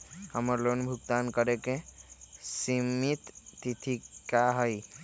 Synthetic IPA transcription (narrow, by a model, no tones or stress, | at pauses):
həməɾlonbʱukt̪ankəɾeke | simit̪ːit̪ʰikaɦɔj